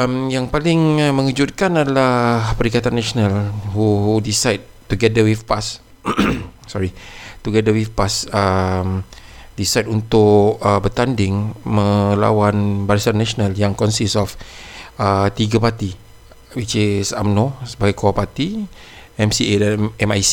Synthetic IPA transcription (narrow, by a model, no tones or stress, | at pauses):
əmjaŋpalɪŋmə̃ŋəd͡ʒut̪̚kanadalahpəɾikat̪anːaʃonalhuɦudisajd̚ | t̪uɡɛdəwifpas | sɔɾit̪uɡɛdəwifpasəm | disajdunt̪ʊkəbət̪andɪŋmə̃la̰wanbaɾasanːãʃonaljaŋkɔnsisɔfət̪iɡapat̪i | wit͡ʃesa̰mnɔ̃səbaɡajkoapat̪i | ɛmsiɛmaj